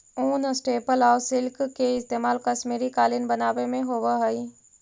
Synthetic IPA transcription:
uːnsʈeːpəlɔːʋsɪlkkeɪst̪eːmaːlkɐʃmiːɾikaːlinbɐnaːʋemẽɦoʋəɦɐiː

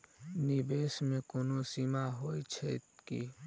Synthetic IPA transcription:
nibeːsmẽkoːnosimaɦoːit͡ʃʰɛkḭ

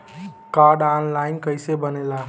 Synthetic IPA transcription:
kaɾɖanlaɪnkəjsebənela

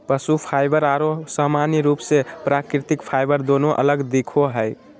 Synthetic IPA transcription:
pəsupʰajbəɾaɾosamaniɾupsepɾakɾit̪ikpʰajbəɾd̪onoʔə̰ləɡd̪ikʰoɦəj

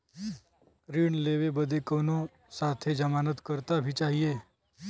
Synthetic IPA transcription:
ɾiːɳleːʋebəd̪ekoːnõ | saːt̪ʰed͡ʒəmaːnət̪kəɾt̪abʱit͡ʃaːɦieː

